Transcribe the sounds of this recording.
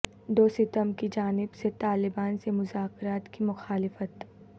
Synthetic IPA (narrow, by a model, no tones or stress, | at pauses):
d̪oːsɪt̪əmkid͡ʒaːnɪbset̪aːlɪbaːnsemʊzaːkɾaːt̪kimʊxaːlɪfət̪